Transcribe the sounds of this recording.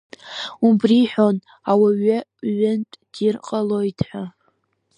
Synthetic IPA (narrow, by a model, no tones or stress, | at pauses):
ubriħʷᶣo̞n | awaɥʏɥːʊntʼd̥irqʼalojtʰħʷa